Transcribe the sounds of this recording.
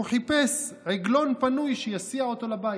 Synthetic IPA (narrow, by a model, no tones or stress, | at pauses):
uħipes | ʕeɡlo̞npanujʃejasiaot̪o̞laba